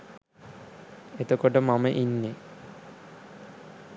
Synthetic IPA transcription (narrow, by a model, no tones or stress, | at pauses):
et̪okoʈəmameʔinːe